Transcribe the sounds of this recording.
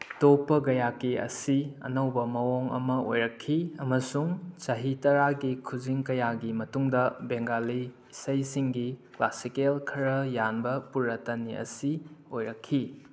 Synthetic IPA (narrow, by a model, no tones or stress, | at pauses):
topːɐɡɐjakiɐ̰siɐ̰nɐwbɐmɐwoŋɐ̰mɐo̰jɾɐkʰːiɐmɐsuŋt͡ʃɐɦitɐɾaɡikʰud͡ʒiŋkɐjaɡimɐtuŋdɐbeŋɡali | sɐjsiŋɡiklasikelkʰɐɾɐjanbɐpuɾɐtɐniɐ̰siojɾɐkʰːi